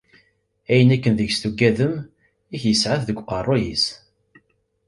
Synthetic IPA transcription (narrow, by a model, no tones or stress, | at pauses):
æjənækːənðəʝst̪uɡːæðəm | içjəsʕaθðəɡʷqɑrˤːojis